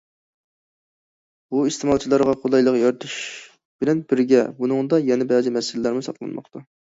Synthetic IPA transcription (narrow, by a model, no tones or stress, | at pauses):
buist̪ʰɪmɑlˠt͡ʃʰilˠɑɾʁɑqʰolˠɑjlˠəqjɑɾt̪ʰuʃ | b̥ɪlɛnbɪɾɡʲɛbunɨŋd̪ɑjɛnɛbɛzɨmɛsɪlɪlæɾmɨsɑ̰qlˠɑ̰nmɑ̰χt̪ʰɑ